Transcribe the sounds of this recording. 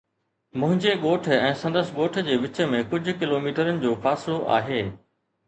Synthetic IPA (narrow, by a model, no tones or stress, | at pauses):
mʊ̃ɦɪ̃ɲd͡ʑeɠoːʈ̆ʰɛ̃ːsɐ̃nd̪əsɪ̆ɠoːʈ̆ʰd͡ʑeːʋɪt͡ɕəmẽkʊd͡ʑʱʊ̆kɪloːmiːʈəɾənɪ̆d͡ʑoːfaːsɪloʔa̰ːɦeː